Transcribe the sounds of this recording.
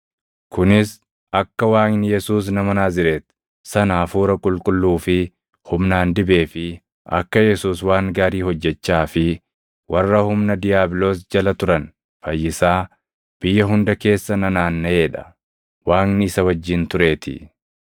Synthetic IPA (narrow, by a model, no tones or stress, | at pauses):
kʊnɪs | ɐkːɐwaːknɪjɛsuːs̬nɐmɐnaːzɪɾe̞ːt̪ | sɐnaːfuːɾɐkʼʊlkʼʊlːuːfɪ | hʊmnaːnd̪ɪbe̞ːfɪ | ʔɐ̰kːɐjɛsuːswaːŋɡaːɾiːhɔd͡ʒːɛt͡ʃːaːfɪ | wɐrːɐhʊmnɐd̪ɪjaːblo̞ːs̬d͡ʒɐlɐt̪ʊɾɐn | fɐjːɪsaː | b̥ɪjːɐɦʊnd̪ɐke̞ːsːɐnɐnaːnːɐeːᶑɐ̥ | waːŋnɪɪsɐwɐd͡ʒːɪnt̪ʊɾe̞ːt̪ɪ̰